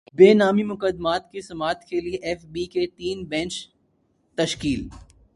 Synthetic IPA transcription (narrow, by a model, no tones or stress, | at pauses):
beːnaːmimʊkəd̪maːt̪kisɐmaːt̪kelieʔɛːfbiket̪iːnbɛ̃ːnt͡ʃ | t̪ɐʃkiːl